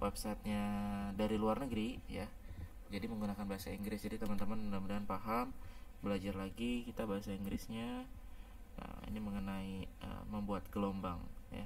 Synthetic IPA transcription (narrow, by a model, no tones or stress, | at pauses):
wapsat̪̚ɲadaɾiluarnəɡɾija | d͡ʒadiməŋɡunakanbaɦasaiŋɡɾɪsd͡ʒadit̪əmant̪əmandamədaanpaɦambəlad͡ʒarlaɡikit̪abaɦasaiŋɡɾɪsɲa | mḭniməŋənaiə̰məmbuat̪̚ɡəlomba̰ŋja̰